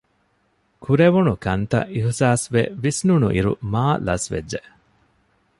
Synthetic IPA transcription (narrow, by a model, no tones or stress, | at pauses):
kʰuɾeʋunukɐnt̪ɐ̰ʔihsaːsʋeʋisnunuʔiɾṵmaːlɐsʋḛd͡ʒʒe